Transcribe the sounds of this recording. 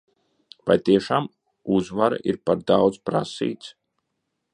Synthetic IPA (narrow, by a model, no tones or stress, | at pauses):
va̰jt̪iɛʃaːm | uzvaɾa̰ʔḭɾpaɾd̪awd̪zpɾa̰sḭːt̪s